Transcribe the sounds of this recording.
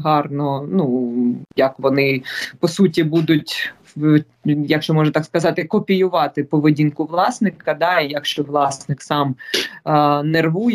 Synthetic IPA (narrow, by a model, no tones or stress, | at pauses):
ɦɑrnɔnujɐkʋɔnɪpɔsutʲibud̪ʊtʲ | jɐkʃt͡ʃɔmɔʒnɐt̪ɑkskɐzɑt̪ɪkɔpʲijʊʋɑt̪ɪpɔʋɪdʲinkʊʋlˠɑsnɪkːɐd̪ɑijɐkʃt͡ʃɔʋlˠɑsnɪksɑm | nerʋuj